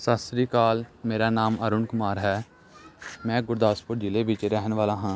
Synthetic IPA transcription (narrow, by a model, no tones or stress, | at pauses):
saːst̪ɾiːkaːlmeːɾaːnaːməɾʊɳkʊmaːɾɦɛː | mɛ̃ːɡʊɾd̪aːspʊʈd͡ʒɪleːʋɪt͡ʃɾɛɦənʋaːlãːɦãː